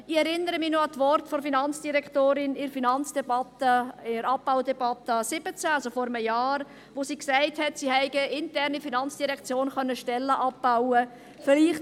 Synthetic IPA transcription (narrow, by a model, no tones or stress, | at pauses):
ɪɛɾɪnːəɾəminoɑtvɔɾtfɔɾfinɑnt͡sd̥iɾɛktoːɾɪnɪɾfinɑnt͡sd̥ɛbɑtəɪɾɑp̚b̥aʊdɛbɑt̪ːəsɪb̥ət͡sæɑlsofɔɾəməjaːɾ | ʋosiːksɛɪthɛtsihɛɪɡəɪntɛɾnifinɑnt͡sd̥iɾɛkt͡sjoːnχœnːəʃtɛlːəʔɑp̚b̥aʊə | fɪliːχt